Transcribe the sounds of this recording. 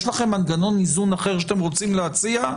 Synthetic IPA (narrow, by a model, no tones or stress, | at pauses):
ʃlaχe̞mːanɡano̞nizunaχe̞ʁʃat̪emʁo̞t͡simleat͡sia